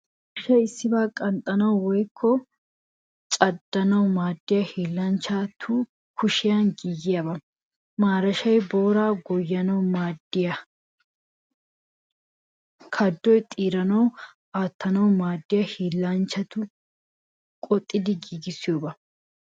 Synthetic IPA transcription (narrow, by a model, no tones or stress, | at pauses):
kʊʃɛjɪsːɪbaːkʼɐnt̪ʼɐnɐwwɔjkʰːɔ | t͡ʃʼɐd̪ːɐnɐwʊmaːd̪ːɪjɐhiːlːɐnt͡ʃːat̪ʰʊ | kʰʊʃɪjɐnɡiːɡɪjɐbɐ | maːɾɐʃɐjbo̞ːɾaːɡɔjːɐnɐwmaːd̪ːɪjɐ | kʰɐd̪ːɔjt̪ʼiːɾɐnɐw | aːt̪ːɐnɐwmaːd̪ːɪjɐhiːlːɐnt͡ʃːɐt̪ʊ | kʼɔt̪ʼːɪd̪ɪɡiːɡɪsɪjo̞ːbɐ